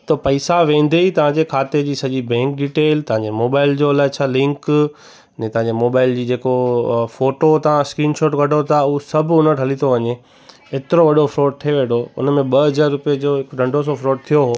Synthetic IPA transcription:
t̪ɐpɐɪsaʋẽːn̆d̪eit̪ɐʋ̤ãɲd͡ʑekʰaːt̪ed͡ʑiːsɐʄibɛ̃ːŋk̚ɖiːʈeːlt̪ɐɦãɲd͡ʑemoːbaːɪld͡ʑoɐlaːɪt͡ɕʰaːlɪ̃ŋk | nɛ̃t̪ɐʋ̤ãɲd͡ʑemoːbaːɪld͡ʑiːd͡ʑeːkofoːʈot̪ɐʋ̤ãskɾiːnʃoːʈɡɐɖʱot̪ʰaʊɦosɐbʱʊnəɾɦɐlit̪ʰoʋɐɲe | eːt̪ɪɾoʋɐɗofɾoːʈ̚t̪ʰieʋeːɖoʊ̰nmẽɓɐɦɐzaːɾːʊpiəd͡ʑoɦɪkɖɐ̃ɳɖʱos̬ofɾoːʈ̚t̪ʰijoɦoː

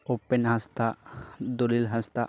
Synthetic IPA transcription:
openɦast̪ad̪olilɦɐst̪a

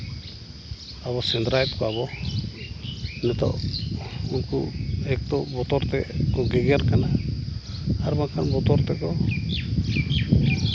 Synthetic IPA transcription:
aβɔsɛnd̪ɾajt̪̚kɔaβɔ | nɛt̪ɔ̰ʔ | unkṵɛk̚t̪ɔbɔt̪ɔɾt̪ɛkɔɡɛɡɛaɾkana | aɾbakʰanbɔt̪ɔɾt̪ɛkɔ

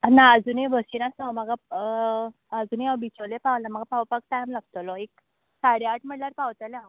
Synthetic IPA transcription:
naəd͡zuneʋəsinasɔməɡa | əd͡zuːneabit͡ɕolepaʋlam̤aɡapawpak̚t̪ajmlaɡ̚t̪ɔlɔek̚ | saɾjaʈm̤əɽlaɾpawt̪əlã

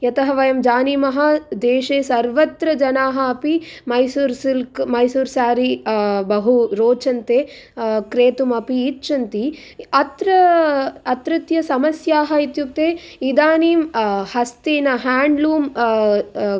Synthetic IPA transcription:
jɐt̪ɐɦɐʋɐjɐmd͡ʒaːniːmɐɦɐ̆d̪eːʃeːsɐɾʋɐt̪ɾɐd͡ʒɐnaːɦɐɐpimɐjsuɾsilkmɐjsuːɾsaːɾibɐɦuɾoːt͡ʃɐnt̪eː | kɾeːt̪umɐpiːtt͡ʃɐnt̪i | ɐt̪ɾɐɐt̪ɾɪt̪jɐsɐmɐsjaːɦɐit̪jup̚t̪eːid̪aːniːmhɐst̪eːnɐɦaːɳɖluːm

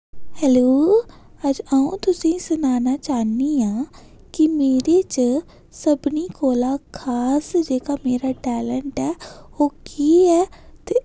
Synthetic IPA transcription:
hɛːloːəd͡ʒaːũt̪ʊsĩːsʊnaːnaːt͡ʃaːniaː | kimeːɾet͡ʃ | səbniːkoːlaːkʰaːsd͡ʒeːkaːmeːɾaːʈɛːləɳʈɛːoːkiːɦɛːt̪e

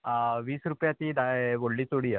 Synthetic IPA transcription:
ʋiːsɾupjat̪iːd̪aʋoɽlit̪oɽijə

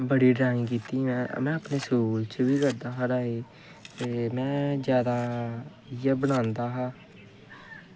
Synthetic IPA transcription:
bəɽiːɖɾaːĩkiːt̪iːɛ̃mɛ̃ːəpneːsuːlt͡ʃʋiːkəɾd̪aːɦəɾaːeː | t̪eːmɛ̃ːzjaːd̪aː | jəbəɽ̃ãːnd̪aːɦãː

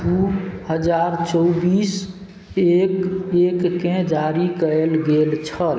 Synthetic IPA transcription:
d̪uhəd͡ʒaɾt͡ʃɔwbis | ekekːẽd͡ʒaɾikəlɡelt͡ʃʰəl

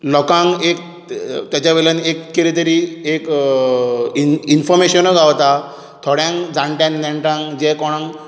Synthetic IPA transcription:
lɔkãŋkek̚ | t̪jat͡ɕaʋelanekːeɾit̪̬əɾiek | infɔɾmeɕənəɡʱaʋt̪a | t̪ʰɔɽjãŋkd͡zãɳʈãnnɛ̃ɳʈãŋkd͡ʑɛkɔɽ̃ãŋ

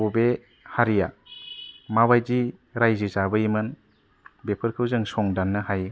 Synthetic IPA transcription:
ube | haɾija | mabajdiɾajzizabɯimɯn | bepʰɯɾkʰɯwzɯŋsɔŋdanːɯɦaj

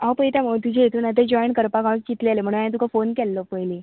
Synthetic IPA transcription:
awpəit̪jam̤əut̪ud͡ʑʱeet̪unad̪ʱed͡ʑɔjɳkəɾpaɡaʋũkt͡ɕit̪lealem̤əɽ̃unajãt̪ukʰafonkɛlːɔpəjle

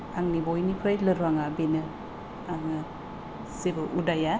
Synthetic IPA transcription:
aŋnibojnipʰɯjlɯɾuaŋabenɯ | aŋɯ | sebɯʔudaja

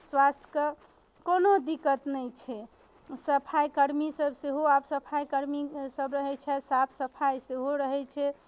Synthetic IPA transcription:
swast̪ʰj̥kə | konod̪ikət̪nɛjt͡ʃʰɛ | səpʰajkəɾmisəbseɦoabsəpʰajkəɾmisəbɾəɦɛt͡ʃʰɛsapʰsəpʰajseɦoɾəɦɛt͡ʃʰɛ

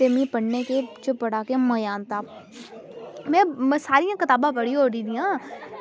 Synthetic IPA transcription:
emĩpəɽneket͡ʃopːəɽaːkemɐjaːnt̪aː | mɛ̃ːsaːɾijãːkɪt̪aːbãpəɽiɦoːɾiːd̪ijãː

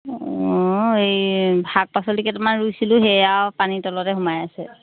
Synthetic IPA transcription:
ɔejbʱak̚pasɔlikɛtmanɹujsilʊ̃ɦɛjawpanitɔlɔtɛɦʊmajasɛ

